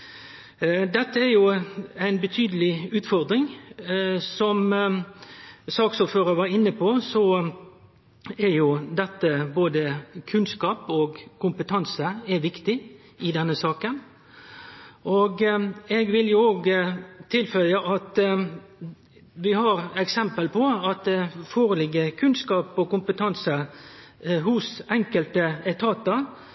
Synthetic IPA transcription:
d̪ɛt̪ːəæɾjʊæɪnbət̪ʰyːd̪əlɪʉːt̪fɔʁd̪ɾɪŋ | sɔm | sɑːksʊføːɾəʋɑːɾɪnːəpʰɔsɔ | ɛjʊd̪ɛt̪ːəboːd̪əkʰʉnskɑːpɔɡkʰʊmpət̪ʰɑnsəɛʋɪkt̪ɪ | ɪd̪ɛnːəsɑːkən | ʔoɡɛɡʋɪljʊoːɡt̪ʰɪlfœʏəʔɑt̪ | ʋɪhɑːɾɛksɛmpəlpʰɔɑt̪̚d̪ɛfoːɾəlɪɡəkʰʉnskɑːpɔkʊmpət̪ʰɑnsə | ɦʊsɛŋkəlt̪əɛt̪ʰɑːt̪əɾ

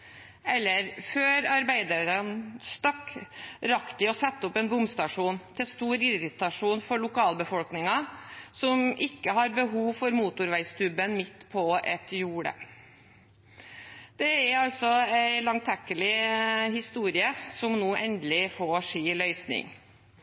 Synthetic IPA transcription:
ɛlːəɾføːɾɑɾbæɪd̪əɾənst̪ɑkːɾɑkt̪ɪɔsɛt̪ːəɔpɛnbʊmst̪ɑʂuːnt̪ʰɪlst̪uːɾɪɾɪt̪ɑʂuːnfɔɭʊkʰɑːlbəfɔlknɪŋɑsɔmɪkːəɦɑɾbəɦuːʋfɔɾmuːt̪ʊɾʋæɪsk̪ʉbənmɪt̪ːpʰɔɛt̪juːɽə̰ | d̪̥ɛæɾɑlt̪sɔæɪlɑŋt̪ʰɛkːəlɪhɪst̪uːɾɪəsɔmnuːʔɛnd̪lɪfoːʂiːlœʏsnɪ̰ŋ

